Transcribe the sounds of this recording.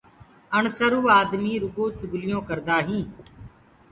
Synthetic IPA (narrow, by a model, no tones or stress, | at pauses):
ənsəɾuːaːd̪miːɾʊɡõːt͡ʃʊɡlɪjõːkəɾd̪aːɦĩː